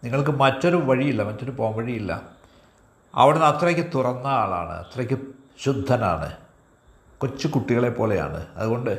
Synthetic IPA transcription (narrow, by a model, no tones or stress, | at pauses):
niŋːɐɭkɨmɐtːo̞ɾuʋɐɻijilːɐmɐtːoɾupoːɣɐmʋɐɻijilːɐ̰ | ɐ̰ʋiɽenɐt̪rɐkʲːɨt̪urɐnːɐaːɭa̰ːɳɨ̰ɐ̰t̪ːrɐkʲːɨ | ɕud̪ʱːɐna̰ːɳɨ̰ | ko̞t͡ɕːɨkuʈːiɣɐɭe̞pːo̞ːle̞ja̰ːɳɨ̰ɐ̰ðuɣo̞ɳɖɨ